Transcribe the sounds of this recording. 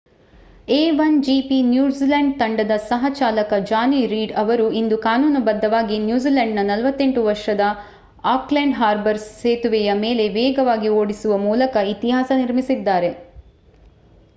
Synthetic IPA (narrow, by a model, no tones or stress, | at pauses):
eːʋɐnd͡ʒipinjuːziːlɐɳɖ̚t̪ɐɳɖɐd̪ɐsɐɦɐt͡ʃaːlɐkɐd͡ʒaːniɾiːɖɐʋɐɾuind̪ukaːnuːnubɐd̪ʱːɐʋaːɡinjuːziːlɐɳɖnɐnɐlʋɐt̪ːe̞ɳʈuʋɐɾʂɐd̪ɐ | aːkleɳɖɦaːɾbɐɾseːt̪uʋɛjɐmeːle̞ʋɛːɡɐʋaːɡioːɽisuʋɐmuːlɐkɐit̪iɦaːsɐniɾmisid̪ːaːɾe̞